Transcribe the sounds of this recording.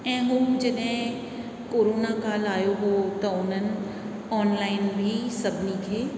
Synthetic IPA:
ɛ̃ːɦuːmd͡ʒɪnẽ | koːɾoːnakaːlaːjoɦot̪ɔːnən | ɔːnlaːɪnbʱiːsɐbnikʰeː

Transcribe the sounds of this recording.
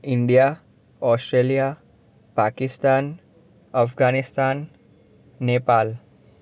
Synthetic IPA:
ɪɳɖija | ɔːsʈɾelija | paːkɪst̪aːn | əfɡaːnɪst̪aːnː | eːpaːl

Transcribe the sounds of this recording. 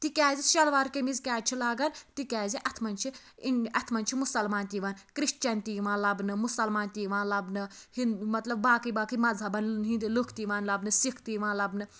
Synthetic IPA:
t̪ikʲaːziʃɐlʋaːɾkemizkʲaːt͡ʃʰilaːɡɐnt̪ikʲaːziʔɐt̪ʰmɐnt͡ʃʰi | inɐt̪ʰmɐnt͡ʃʰimusɐlmaːnt̪iʋaːnkɾiʃt͡ʃɐnt̪iːʋãːnlɐbnɨmusɐlmaːnt̪iːʋaːnlɐbnɨhinmɐt̪lɐb̚baːkɨjbaːkɨjmɐzʱɐbɐnɦind̪ilukʰt̪iʋaːnlɐbnɨsikʰt̪iːʋãːnlɐbnɨ

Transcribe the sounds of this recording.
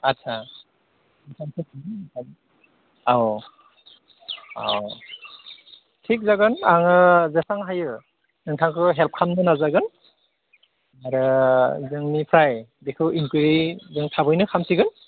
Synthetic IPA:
at̚sʰa | ɯŋsʰaŋsʰɯtʰiɯtʰaɡ | aw | a̰w | tʰik̚zaɡɯnaŋɯzesaŋɦajɯ | nɯŋtʰaŋkʰɯɦɛlp̚kʰamnɯnazaɡɯn | aɾɯzɯŋnipʰɾajdekʰɯwimkɯɾizɯŋtʰabɯjnɯkʰamsiɡɯn

